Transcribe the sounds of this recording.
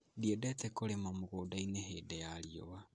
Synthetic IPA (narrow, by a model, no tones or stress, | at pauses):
diedetekolemamuɣodainehedejalio̰wa